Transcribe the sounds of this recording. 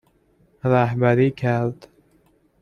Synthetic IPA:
ɾæhbæɾiːkʰæɾd̪̥

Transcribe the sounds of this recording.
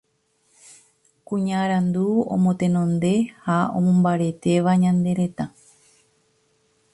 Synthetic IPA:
kũɲaɾãnd̪uõ̰mõt̪e̞nõnd̪e̞haõ̰mõmbaɾe̞t̪e̞ʋaɲãnd̪e̞ɾe̞t̪a

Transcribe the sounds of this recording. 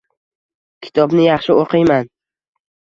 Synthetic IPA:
kʲʰɪ̥t̪ʰɒbnɪjɑχʃɪoqʰɨjman

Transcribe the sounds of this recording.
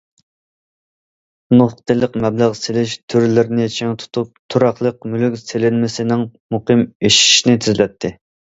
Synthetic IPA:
nuχqt̪ʰɨlˠəqmɛblæʁselɪʃt̪ʰyɾlɪɾɪnɪjet͡ʃʰɛŋt̪ʰu̥t̪ʰup̚t̪ʰuɾɑχlˠəq̚mylykʲselɪnmɪsɪnɪŋmuqʰɨmeʃi̥ʃinɪt̪ʰyzlɛt̪ʰːɪ

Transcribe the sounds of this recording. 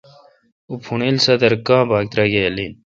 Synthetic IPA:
upʰuɳelsɐd̪ɐɾkãːbaːk̚t̪ɾaɡejɐlin

